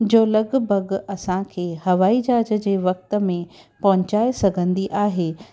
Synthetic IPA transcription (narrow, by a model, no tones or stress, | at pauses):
d͡ʑoːlɐɡbʱɐɡɐsãkʰeːɦɐʋaːid͡ʑaːd͡ʑəd͡ʑeːʋɐk̚t̪ə̆mẽ | pɐɦʊt͡ɕaːesɐɡʱə̃nd̪iʔaːɦeː